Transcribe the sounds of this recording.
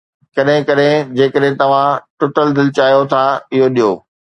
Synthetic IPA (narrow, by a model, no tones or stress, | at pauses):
kɐɗɦɪ̃kɐɗɦɪ̃d͡ʑeːkəɗɦɪ̃t̪ɐʋ̤ãʈʊʈəld̪ɪlɪt͡ɕaːijot̪ʰaɪɦoɗijoː